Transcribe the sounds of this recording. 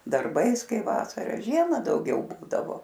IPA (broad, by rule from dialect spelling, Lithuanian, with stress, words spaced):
dɐrˈbɐɪs ˈkɐɪ ˈʋɑːsɐrɐ ˈʒʲiɛmɐ dɐʊˈɡʲɛʊ ˈbuːdɐʋoː